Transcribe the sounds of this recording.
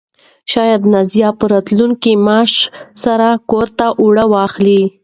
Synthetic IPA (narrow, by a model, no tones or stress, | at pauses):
ʃɑjad̪nazjɑpəɾɑt̪luŋkimɑʂsaɾakoɾt̪aʔuɽəwɑxli